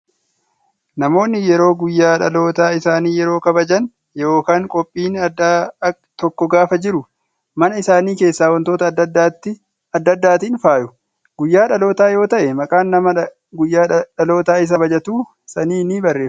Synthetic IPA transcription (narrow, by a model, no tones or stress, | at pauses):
nɐmo̞ːnːɪjɛɾo̞ːɡʊjːaːᶑɐlo̞ːt̪aːɪsaːniːjɛɾo̞ːkɐbɐd͡ʒɐn | jo̞ːkaːŋkʼɔpʼːiːnɐd̪a | t̪ɔkːɔɡaːfɐd͡ʒɪɾʊ | mɐnɐɪsaːniːke̞ːsːaːwɐnt̪o̞ːt̪ɐd̪ɐd̪aːt̪ːɪ | ɐd̪ːɐd̪ːaːt̪iːnfaːjʊ | ɡʊjːaːᶑɐlo̞ːt̪aːjo̞ːt̪ɐʔɛmɐkʼaːnːɐmɐ | ɡʊjːaːᶑɐlo̞ːt̪aːɪs̬ɐbɐd͡ʒɐt̪uː | sɐniːniːbɐrːe̞ː